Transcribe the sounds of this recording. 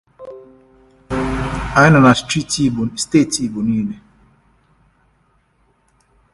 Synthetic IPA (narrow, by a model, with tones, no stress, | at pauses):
a˨ɪ˦na˨na˨sti˦ti˦˨ste˦˨ti˦˨bu˨ni˦ne˨